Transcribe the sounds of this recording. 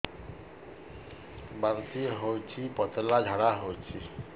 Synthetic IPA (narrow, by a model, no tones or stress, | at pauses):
baɾt̪iɦojt͡ʃʰipʌt̪lad͡ʒʱaɽaɦojt͡ʃʰi